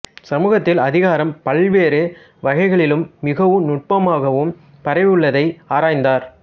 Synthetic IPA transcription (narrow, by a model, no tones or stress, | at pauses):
sɐmuːɣɐt̪ːɪlɐðɪɣaːɾɐmpɐɭʋeːɾe | ʋɐɣɐɪɣɐɭɪlɯmːɪɣɐʋɯnʊʈ̚pɐmaːɣɐʋɯm | pɐɾɐʋɯɭːɐðɐɪaːɾaːjnd̪aːɾ